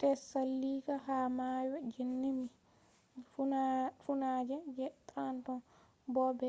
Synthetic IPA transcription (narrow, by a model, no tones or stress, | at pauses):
tɛsalːikaɦamajɔd͡ʒinːimi | funad͡ʒɛd͡ʒɛtantɔ | bɔbɛ